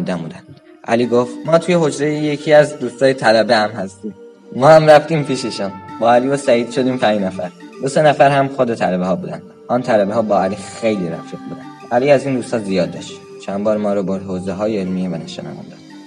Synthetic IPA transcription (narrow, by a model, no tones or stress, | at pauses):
d̪æmuːd̪æn | ʔæ̰liːɡoft̪mɒːt̪ʰuje̞ɦo̞d͡ʒɾejeje̞cʰiæzd̪uːst̪ɒːjet̪ʰælæbehæmhæst̪iːm | mɒːhæmræft̪iːmpiʃeʃuːnbɒːæliːvosæiːd̪̥ʃo̞d̪iːmpʰæɲd͡ʒnæfæɾd̪o̞senæfæɾhæmχo̞d̪et̪ʰælæbehɒːbuːd̪æ̰nd̪̥ | ʔɒːnt̪ʰælæbeɦɒːbɒːæliːxejliɾæ̰fʃot̪̚buːd̪ænd̪ʔæliːæziːnd̪uːst̪ɒːzijɒːd̪ːɒ̰ʃt̪i | t͡ʃʰænbɒːɾmɒːɾoboɾhoːzeɦɒːjeelmievænæʃɑ̰næ̰væ̰nd̪ɒ̥